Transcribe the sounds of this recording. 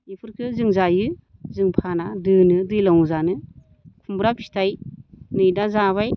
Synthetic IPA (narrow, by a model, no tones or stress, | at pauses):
ipʰɯɾkʰɯzɯŋzajɯ | zɯŋpʰanadɯnɯdɯjlawuzanɯ | kʰumbɾapʰi̥tʰajnɯjdazaβaj